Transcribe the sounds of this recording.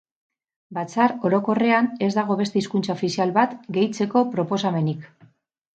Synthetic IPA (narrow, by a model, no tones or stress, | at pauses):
bat͡saɾo̞ɾo̞ko̞re̞ane̞zd̪aɣ̞o̞βest̪eiskunt͡saofisialβat̪ɡe̞jt͡se̞ko̞pɾo̞po̞same̞nik